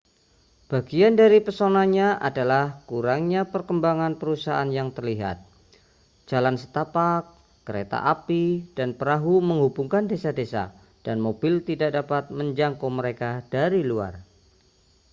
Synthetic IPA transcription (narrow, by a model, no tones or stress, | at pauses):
b̥aɡiandaɾipərsonaɲaʔa̰dalahkuɾaŋɲapərkəmbaŋanpəɾusaanjaŋt̪ərliɦa̰t̪̚ | d͡ʒalansə̥t̪apakː | əɾḛt̪a̰ʔapid̥anpəɾaɦuməŋɦubuŋkandesadesa̰ | d̥anmob̥ɪlt̪idaʔ̚dapat̪̚məɲd͡ʒaŋkoməɾekad̥aɾilua̰r